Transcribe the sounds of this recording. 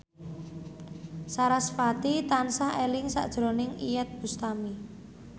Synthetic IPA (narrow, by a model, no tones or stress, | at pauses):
saɾasfat̪it̪ansaelɪŋsa̰ʔd̥ʒ̥ɾo̤nɪŋijɛt̪̚b̥ṳst̪ami